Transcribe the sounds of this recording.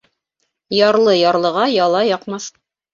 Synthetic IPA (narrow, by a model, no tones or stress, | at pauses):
jɑɾlˠɤjɑɾlˠɤ̆ʁɑjɑlˠɑjɑqmɑθ